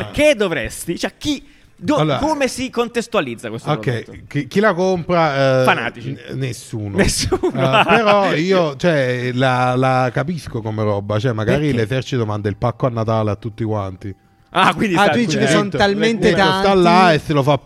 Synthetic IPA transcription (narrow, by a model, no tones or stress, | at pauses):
prked̪ovɾest̪it͡ʃɛk̟i | d̪oalːoːɾakomesikont̪est̪ualid̪zːakwest̪oɾɛjkik̟ilakompɾafana̰ːt̪it͡ʃnesːuːnonesːunpeɾɔiːot͡ʃoɛlalakapiskokomeɾɔbːat͡ʃɛmːaɡːɾilezɛrt͡ʃit̪omand̪ailpakːoanːat̪aːleat̪ːut̪ːikwant̪i | akwind̪iat̪ud̪it͡ʃikesːont̪alment̪et̪aosnt̪alːaeselofa